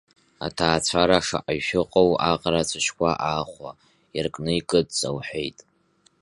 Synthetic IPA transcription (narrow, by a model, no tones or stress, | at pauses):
a̰tʰaːt͡ɕʷʰaɾaʂa̰ʔaɥʃᶣɪqʼowaqʼɾat͡sʷʰɨʃkʷaʔaːχʷa | jarkʼnɨikʼɨdʼsʼawħʷᶣejtʼ